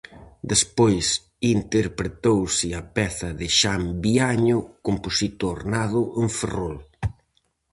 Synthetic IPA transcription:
d̪espojs | int̪eɾpɾet̪owsɪɐpɛθɐðɪʃambiaɲʊkomposit̪ʊɾnaðʊʔeɱferol

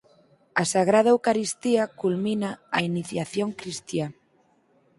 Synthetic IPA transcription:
asaɣɾað̞aewkaɾist̪iɐkulminaainiθjaθjoŋkɾist̪ja

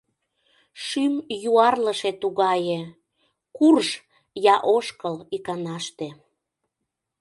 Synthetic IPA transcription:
ʃymjuɑrləʃet̪uɣɑje | kurʃ | jɑʔoʃkəlikɑnɑʃt̪e

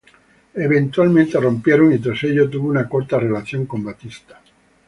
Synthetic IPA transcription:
eβent̪ualmẽnt̪ero̞mpjeɾoŋit̪ɾaseʎot̪̬uβounakoɾt̪arelaθjoŋko̞mbat̪ist̪ḁ

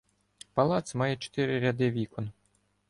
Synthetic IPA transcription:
pɐlˠɑt̪sʲmɑjɛt͡ʃe̥t̪ɪɾɪɾʲad̪ɪʋʲikɔn

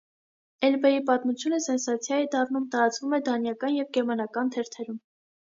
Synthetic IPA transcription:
ɛlbɛjipɑt̪mut͡sʰjunəsɛnsɑt͡sʰjɑjid̪ɑrnumt̪ɑɾɑt͡svumɛd̪ɑnjɑkɑnjɛvɡɛmɑnɑkɑnt̪ʰɛɾt̪ʰɛɾum

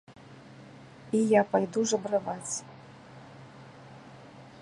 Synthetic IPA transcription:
ijapajd̪uʐɐbɾɨvat͡sʲ

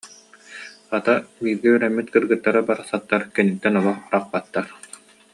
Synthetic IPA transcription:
at̪abiːɾɡiyɾɛmːit̪kɯɾɡɯt̪ːaɾɯbaɾasat̪ːaɾkɛnit̪ːɛnɔlˠɔχɾaq̚bat̪ːaɾ

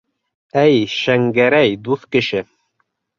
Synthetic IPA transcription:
æjʃæŋɡæɾæjd̪uθkɘ̆ʃɘ

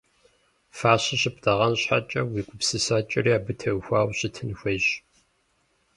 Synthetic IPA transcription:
faːɕɐɕɪpdʰɐʁɐnɕħa̰t͡ʃʼɐwiːkʷʼʊpsɨsaːt͡ʃʼɐriaːbɨtʰɐwxʷaːwɕɪtʰɨnxʷɐjɕ

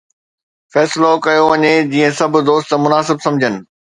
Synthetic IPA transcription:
fɛːslokɐjoʋɐɲed͡ʑiːə̃sɐbʱʊ̆d̪oːst̪mʊnaːsɪbsɐ̃md͡ʑʱənɪ̆

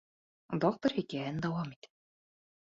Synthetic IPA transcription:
d̪ok̚t̪əɾhikæɘnd̪ɑwɑmit̪

